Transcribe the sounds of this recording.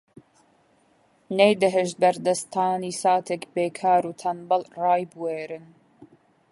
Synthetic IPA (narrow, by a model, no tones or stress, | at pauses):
nejd̪ɨɦəʒ̚bɐɾd̪ɐst̪ʰɑːniːsɑːt̪ʰɛkbeːkʰɑːɾuːt̪ʰɐnbɐlrɑːjbweːɾɨn